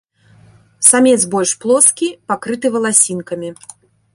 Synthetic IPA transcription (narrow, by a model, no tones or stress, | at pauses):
samʲɛzbɔlʲʂplˠɔskʲipakɾɨt̪ɨvɐlˠasʲinkɐmʲi